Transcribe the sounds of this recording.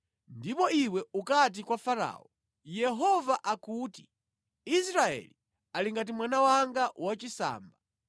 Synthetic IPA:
ndipɔiwɛukat̬ikwafaɾa̰ːɔ | jɛɦɔvaʔakuːti̥ | is̬ɾaɛ̰li | aliŋɡat̬imwanawaŋɡawat͡ʃisa̰ːmba

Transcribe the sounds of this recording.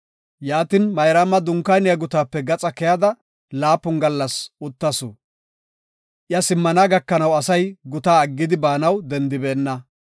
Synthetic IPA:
jaːt̪ɪnmɐjɾamɐd̪ʊŋkːanɪjɐɡʊt̪aːpːɛɡɐt͡sʼɐkɛjɐd̪ɐ | laːpːʊnɡɐlːɐsʊt̪ːɐsʊ̰ | ʔɪjɐsɪmːɐnaːɡɐkːɐnɐwɐsɐjɡʊt̪aːɐɡːɪd̪ɪbaːnɐwd̪ɛnd̪ɪbeːnːɐ

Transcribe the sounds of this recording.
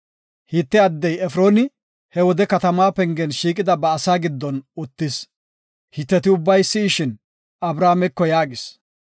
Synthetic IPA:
hɪt̪ːɛɐd̪ːɛjɛfɾo̞ːnɪ | hɛwɔd̪ɛkɐt̪ɐmaːpɛŋɡɛnʃiːkʼɪd̪ɐbɐːsaːɡɪd̪ːɔnʊt̪ːɪs | hɪt̪ːɛt̪ɪʊbːɐjsːɪːʃɪn | ɐbɾaːmɛkːɔjaːɡɪs

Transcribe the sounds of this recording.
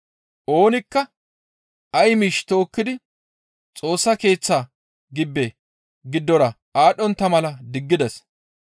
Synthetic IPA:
ʔo̞ːnɪkːɐ | ɐjmiːʃt̪o̞ːkːɪd̪ɪ | t͡sʼo̞ːsːɐke̞ːt͡sːa | ɡɪbːɛ | ɡɪd̪ːɔɾɐ | aːɗɔnt̪ːɐmɐlɐd̪ɪɡːɪd̪ɛs

